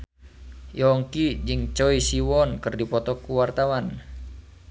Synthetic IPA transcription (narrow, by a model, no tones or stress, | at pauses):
jɔŋkid͡ʒɨŋt͡ʃɔisiwɔnkɨrdipɔt̪ɔkuwart̪awan